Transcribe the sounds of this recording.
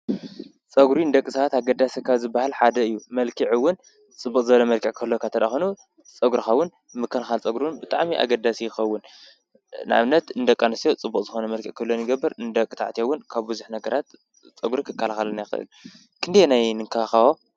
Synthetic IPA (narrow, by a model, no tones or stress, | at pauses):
t͡sʼɐɡɾind̪ɐkʼːɨsɐwat̪aɡɐd̪asikʰːazɨbːahalħad̪ɐɨjːumɐlkʰiʕɨwːʊn | t͡sʼɨbːuqʼzɐβɐlɐmɐlkʰiʕkʰɐlːokʰat̪ʰɐd̪axonu | t͡sʼɐɡɾixɐwːʊn | mɨkːɐlxalt͡sʼɐɡɾiwnbɨt̪ʼaʕmiʔa̰ɡɐd̪asijɪxɐwːʊn | nʔa̰βnɐt̪ɨnd̪ɐkʼːanɨsjot͡sʼɨbːukʼzɨxonɐmɐlkʰiʕkʰɐlːonjɨɡɐbːɨɾɨnd̪ɐkʼːɨt̪ʰa̰ʕt̪ʰijowʊnkʰaβbɨzuħnɐɡɐɾat̪ | t͡sʼɐɡɾikʰɨkʰːalaxalɐnajxɨ̰ʔɨ̰l | kʰɨnd̪jnajnɨŋkʰaxawo